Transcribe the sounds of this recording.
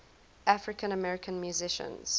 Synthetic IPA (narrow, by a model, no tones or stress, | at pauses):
ʔafɹɪkə̃nəmɛɹɪkʰə̃nmjuzɪʃə̰̃nz̥